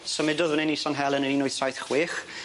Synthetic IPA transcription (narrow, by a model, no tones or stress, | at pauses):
səmɪdʊðwənɛnisɔnɦɛlˠənəninʊɨðsajθχwɪːχ